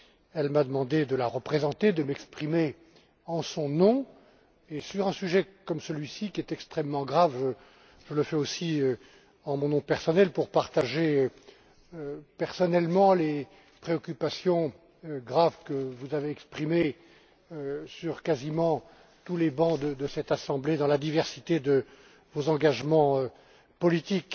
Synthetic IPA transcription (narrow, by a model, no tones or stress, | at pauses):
ɛlmad̪əmɑ̃d̪ed̪əlaʁəpχezɑ̃t̪ed̪əmɛkspχime | ɑ̃sɔ̃nɔ̃ | esyʁɛ̃syʒɛkɔmsəlɥisikʲiɛt̪ɛkst̪χɛmːɑ̃ɡʁavʒə | ʒələfɛosiø | ɑ̃mɔ̃nɔ̃pɛʁsɔnɛlpuʁpaʁt̪aʒeø | øpɛʁsɔnɛlmɑ̃le | pχeɔkʲypasjɔ̃ | ɡʁavkəvuzaveɛkspχime | øsyʁkazimɑ̃ | t̪ulebɑ̃d̪əd̪əsɛt̪asɑ̃bled̪ɑ̃lad̪ivɛʁsit̪ed̪ə | vozɑ̃ɡaʒmɑ̃ø | pɔlit̪ik